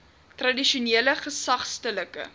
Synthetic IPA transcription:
trɐdiʃuniələχəsɐχstələkə̰

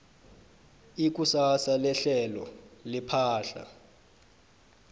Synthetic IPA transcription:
ik̬ʼusasalɛɬɛlɔ̰lipʰaːɬa̰

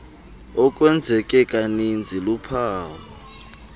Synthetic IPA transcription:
ɔkʼwɛnd͡zʱɛkʼɛkʼanind͡zʱilupʰaːwɔ

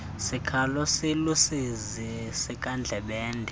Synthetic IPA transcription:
sikʰalɔsilusiz | i | sikʼand͡ɮʱɛɓɛːndʱɛ

